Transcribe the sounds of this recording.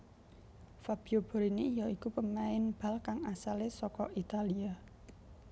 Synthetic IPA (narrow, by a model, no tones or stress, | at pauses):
fab̥i̤ob̥ɔ̤ɾineijɔikupəmaɪnb̥a̤lkaŋasalesɔkɔʔit̪alia